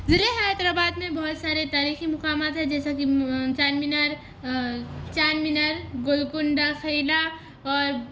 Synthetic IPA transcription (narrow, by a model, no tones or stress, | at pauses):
zɪɾeɦaət̪ɾabaːd̪mẽbɐɦʊt̪saːɾet̪aːɾiːximʊkaːmat̪ɦɛ̃d͡ʒɛːsakit͡ʃaːnminəɾ | t͡ʃaːnminəɾɡʊlkʊɳɖaxʰejla | ɔːɾ